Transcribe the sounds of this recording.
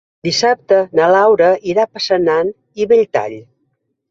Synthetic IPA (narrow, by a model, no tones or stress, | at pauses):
d̪isap̚t̪ənəlawɾəiɾapəsənan | iβeʎt̪a̰ʎ